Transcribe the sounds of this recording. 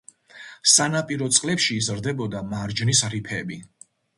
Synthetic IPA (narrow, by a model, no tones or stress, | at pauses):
sanapʼiɾɔt̪sʼqʼlɛpʃiːzɾd̪ɛbɔd̪amaɾd͡ʒnisɾipʰɛbi